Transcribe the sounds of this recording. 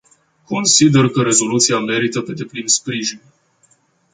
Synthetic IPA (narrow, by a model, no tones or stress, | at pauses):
ko̞nsid̪e̞rkəɾe̞zo̞lut̪siame̞ɾit̪əpe̞d̪e̞plinspɾiʒin